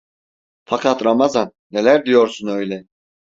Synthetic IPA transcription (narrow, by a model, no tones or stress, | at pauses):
fakʰat̪ɾamazanːelʲæɾd̪ijoɾsunø̞jlʲɛ